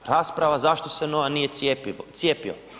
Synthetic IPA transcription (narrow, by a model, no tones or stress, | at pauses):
ɾaːspɾaʋazaʃt̪o̞seno̞ʋanije̞t̪eit̪sjeːpio̰